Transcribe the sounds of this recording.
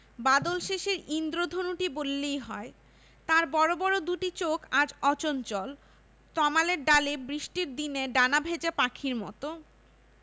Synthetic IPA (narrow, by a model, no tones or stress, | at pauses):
bad̪olʃeʃeɾind̪ɾod̪ʱonuʈibolːejɦɔe | t̪aɾbɔɾobɔɾod̪uʈit͡ɕokad͡ʑɔt͡ɕont͡ɕɔl | t̪ɔmaleɾɖalebɾiʃʈiɾd̪ineɖanabʱed͡ʑepakʰiɾmɔ̰t̪o